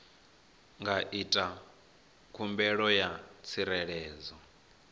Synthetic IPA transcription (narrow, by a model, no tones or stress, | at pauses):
ŋɡaʔitʼa | kʰumbɛɺɔjat͡sʰiɾɛɺɛːzɔ